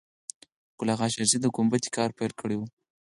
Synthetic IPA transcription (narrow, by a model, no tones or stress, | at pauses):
ɡ̥ʊlɑɣɑʃaɾzid̪əɡombat̪i̥kɑɾpeɾkəɽewu